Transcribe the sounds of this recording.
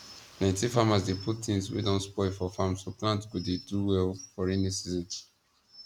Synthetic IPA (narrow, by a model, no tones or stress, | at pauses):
nãɪ̃ntifamasdepʰuttĩnswḛdɔ̃nspɔɪfɔfamsoplãntɡodeduwɛlfɔɹɛnisizɔ̃nt